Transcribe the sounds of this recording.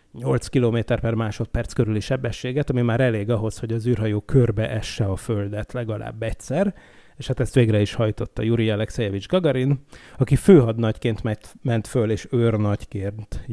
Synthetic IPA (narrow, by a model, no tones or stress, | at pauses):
ɲo̞lt̪skiloːmeːt̪ɛrpɛrmaːʃo̞t̪̚pɛrt̪skø̞ɾyliʃɛbːɛʃːeːɡɛt̪ɒmimaːɾɛleːɡɒɦo̞sho̞ɟɒzyːrɦɒjoːkʰørbɛʔɛʃːɛɒføld̪ɛt̪lɛɡɒlʔa̰ːbːɛcsɛr | eːʃhaːt̪ɛst̪ʋeːɡrɛiʃhɒjt̪o̞t̪ːɒ̰juɾiɒlɛksɛjɛvid͡ʒɡɒɡɒɾinɒkiføːɦɒd̪nɒckeːnt̪mɛt̪mɛnt̪føleːʃørnɒckeːrnt̪